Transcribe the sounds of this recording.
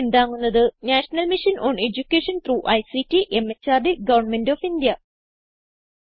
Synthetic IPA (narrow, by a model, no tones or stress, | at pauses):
end̪aːŋːunːɐðɨnæːʂɐnɐlmiʂɐnʔoːɳe̞d͡ʑukʲːeːʂɐnt̪ɾuːʔɐjsitːiʔe̞mːet͡ɕːaːrɖiɡɐʋɐrɳme̞ndoːfind̪jɐ